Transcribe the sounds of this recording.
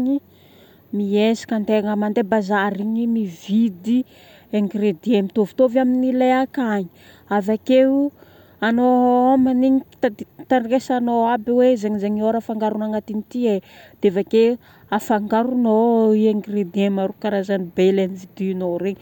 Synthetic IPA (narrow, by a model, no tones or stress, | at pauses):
ɲi | miesḁkant̪eŋamand̪ebazaɾiɲimivid̪i | eŋɡred̪iemit̪ovi̥t̪ovaminileakaɲi̥ | avake | anoamaniɲit̪ad̪t̪ankesanoabiwezeɲizeɲioɾafaŋɡaɾunaŋat̪init̪ied̪̥evake | afaŋɡaɾunoieŋɡred̪iemaɾukaɾazanibelenivid̪inoɾeɲi